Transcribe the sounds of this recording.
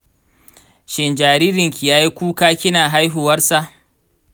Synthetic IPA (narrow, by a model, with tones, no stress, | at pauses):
ʃɪ˨nd͡ʒaː˨ɾiː˦ɾɪ˨ŋkʲi˨jaː˦ji˦kʷuː˦kaː˦kʲɪ˦naː˨ɦa˦jɦʊ˨wɐ˦rsa˨ʔ